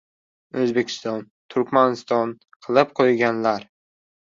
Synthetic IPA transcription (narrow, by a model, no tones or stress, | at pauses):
ɵzbe̞kʲʰɪ̥st̪ɒn | t̪ʰʊɾkʲmanɪst̪ɒn | qʰɨlˠɪp̚qʰojɡʲanlaɾ